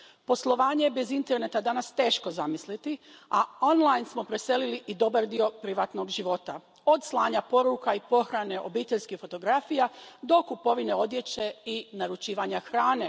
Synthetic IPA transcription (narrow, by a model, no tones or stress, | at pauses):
po̞slˠo̞ʋaːɲejebezint̪e̞ɾne̞t̪ad̪anast̪e̞ːʃko̞zamislit̪iao̞nlˠajnsmo̞pɾese̞liliʔid̪o̞baɾd̪io̞pɾiʋat̪no̞ɡʒiʋo̞t̪a | o̞d̪slˠaːɲapo̞ɾukaipo̞xɾane̞ʔobiːt̪eʎskixfo̞t̪o̞ɡɾafijad̪o̞kupo̞ʋine̞o̞d̪je̞t͡ɕe̞inaɾut͡ʃiːʋaɲaxɾaːne̞